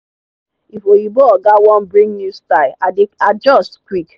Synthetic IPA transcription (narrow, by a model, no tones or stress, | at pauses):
ifojiboɔɡawɔ̃nbɹĩŋnustaɪead͡ʒɔstkwik